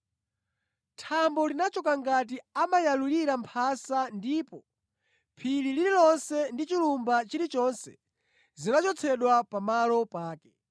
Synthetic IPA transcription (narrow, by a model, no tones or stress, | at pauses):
tʰambɔlinat͡ʃɔkaŋɡat̬iamajaluliɾampʰasandipɔ | pʰililililɔnsɛndit͡ʃilumbat͡ʃiɾit͡ʃɔnsɛ̥̰ | zinat͡ʃɔt͡sʰɛɗwapamalɔpaːkɛ̥